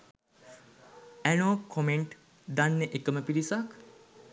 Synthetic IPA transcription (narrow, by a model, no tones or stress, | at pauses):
ænoːkʰomeɳʈ | d̪anːeʔekəməpiɾisak